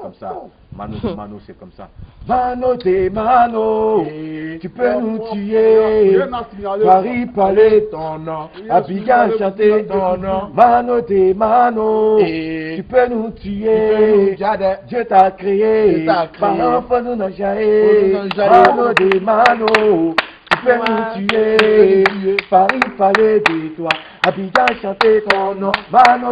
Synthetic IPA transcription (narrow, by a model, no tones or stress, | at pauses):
mnmnoma̰mãnodemãno | tipenũtije | paɾipale | abiɡãʃãtemãnodemãnõ | ipenũt̪ije | d͡ʒetakɾejefanãfonũnãʒaje | mãnodemãno | t̪ipenũtije | faɾipaledetwa | abiɡãʃãtemãno